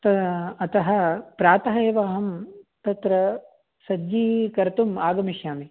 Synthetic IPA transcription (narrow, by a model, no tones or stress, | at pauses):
t̪ɐɐt̪ɐɦɐ̆pɾaːt̪ɐɦɐeːʋaːɦɐmt̪ɐt̪ɾɐ | sɐd͡ʒiːkɐɾt̪umaːɡɐmiʃjaːmi